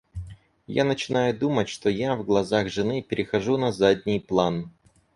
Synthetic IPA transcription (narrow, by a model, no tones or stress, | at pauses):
ja̰nət͡ɕɪnajʊd̪umətʲʂt̪ojavɡlˠɐzaxʐɨnɨpʲɪɾʲɪxɐʐunɐzadʲnʲɪjplˠan